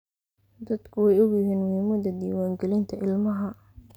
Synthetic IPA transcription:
d̪ɐd̪kʰʊwɛjʊɣjɪɦiːnmʊhiːmɐd̪ɐd̪ḭːwaːŋɡɛlɪnt̪ʰɐʔɪlmɐɦɐ

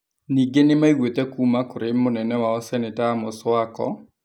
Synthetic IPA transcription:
niɡenemaiɣwetɛkumakoɾemonɛnɛwaɔsɛnetaːmoswakɔ̰

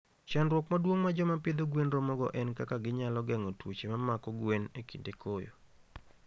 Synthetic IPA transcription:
t͡ʃanɾwɔkmadwoŋmad͡ʒɔmapɪd̪oɡwenɾomɔɡɔ̰ʔɛnkakaɡɪɲalɔɡɛŋɔtwot͡ʃemamakɔɡwenekindekʰojo̰

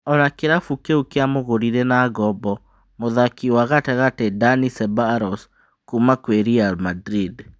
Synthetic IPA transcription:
ɔnakeɾafukeukeamoɣoɾiɾenaːɡɔbɔ | moðakiwaɣatɛɣatedanisɛbaɾɔs | kumakweɾialmadɾid

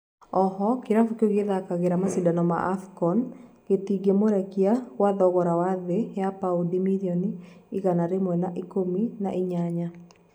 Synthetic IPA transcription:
ɔhɔkiɾafukoɡeðakaɣeɾamasidanɔma̰ʔafkɔn | ɡ̥etiɡemoɾɛkiawaðɔɣɔɾawaðejapaudimiliɔniiɣanaɾemwɛnaʔikomina̰ʔiɲaɲa

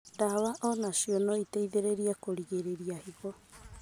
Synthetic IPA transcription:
ɾaβaʔonasionoitejðeɾeɾiakoɾiɡeɾeɾiahiɣo

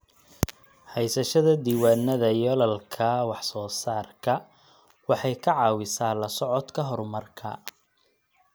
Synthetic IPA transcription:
hɛjsɐʃɐðɐd̪iːwaːnɐðɐjɔlɐlkʰɐwɑħsɔːsaːrkʰɐ | wɑħɑjkʰɐʕɑːwɪsaːlɐsɔʕɔd̪kʰɐɦɔɾʊmɐrkʰɐ̰

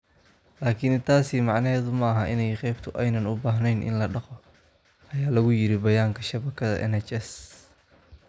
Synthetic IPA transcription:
laːkʰɪnt̪ʰaːsimɑʕnɐɦɛːðʊmɐɐɦɐʔɪnɛjqɛjbt̪ʰʊʔɛjnɐnʊbaːɦnɛjnʔɪ̰nlɐɖɑqɔ | ʔɐjaːlɐɣʊjɪɾɪbɐjaːŋkʰɐʃɐβɐkʰɐðɐ̰ʔɛ̰nɛt͡ʃɛs

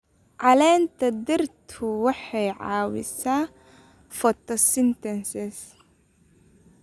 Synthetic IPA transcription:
ʕɑlɛːnt̪ʰɐd̪ɪrt̪ʰʊwɑħɛjʕɑ̰ːwɪ̰saː | fɔt̪ɔsɪnt̪ɛnsɛs

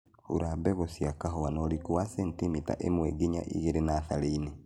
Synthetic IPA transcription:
hṵɾaːbɛɣosjakaɦowanolikuwasentimita̰ʔemweːɡiɲa̰ʔḭɣeɾenaθaleine

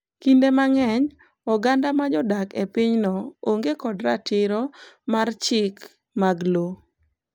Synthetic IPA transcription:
kindemaŋɛɲ | ɔɡandamad͡ʒɔdakepiɲnɔoŋɡekɔdɾatɪɾɔmart͡ʃɪk | maɡlo

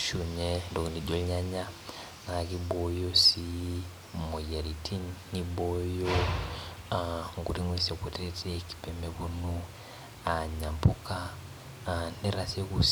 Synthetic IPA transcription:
ʃuɲendokniɟoɲaɲa | nakibojosi | mojeɾitinibojo | aŋɡṵɾiŋwesekweteteki̥pemeβunu | aɲampuka | niɾasiekus

